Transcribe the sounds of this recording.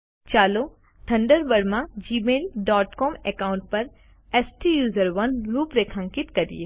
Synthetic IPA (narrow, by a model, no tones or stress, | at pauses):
t͡ʃaːlo | t̪ʰɐ̃ɳɖəɾbɐɾmãd͡ʒiːmeːlɖɔːʈkɔːmekaːʊ̃ɳʈ̚pɐɾ | ɛːsʈijuːzəɾʋɐnɾuːpɾekʰãŋkɪt̪kɐɾḭe